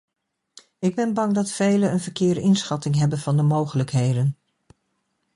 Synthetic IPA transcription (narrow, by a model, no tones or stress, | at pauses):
ɪɡ̚bɛnbɑŋdɑtfejlənənvəɹkɪːɹdəʔɪnsχɑtɪŋɦɛbənv̥ɑndəmowχələkɦejdən